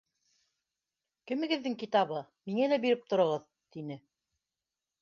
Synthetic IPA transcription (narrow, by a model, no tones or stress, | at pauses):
kɘ̆mɘ̆ɡɘ̆ðːɘŋkit̪ɑβɤ | miŋælæbiɾɘp̚t̪ŏɾŏʁɤð | t̪inɘ